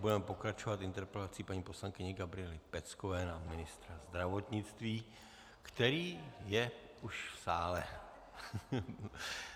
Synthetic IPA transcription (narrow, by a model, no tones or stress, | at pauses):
budɛmɛpo̞kɾat͡ʃo̞vat̪ɪnt̪ɛɾpɛlat͡siːpaɲiːpo̞slaŋkɪɲɛɡabɾɪɛlɪpɛt͡skovɛːnamɪnɪst̪ɾazd̪ɾavo̞t̪ɲɪt͡st̪viː | kt̪ɛɾiːjɛ | ʔuʃfsaːlɛ